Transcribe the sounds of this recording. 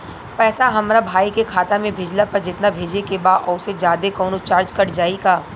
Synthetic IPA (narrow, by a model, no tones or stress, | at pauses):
pɛːsaɦɐmɾabʱaːikekʰaːt̪amẽbʱɪd͡ʒlapɐɾd͡ʒɪt̪nabʱeːd͡ʒekebaːd̪ɔʊsed͡ʒaːd̪ekɔːnot͡ʃaːɾd͡ʒkɐɽd͡ʒaːiɡaː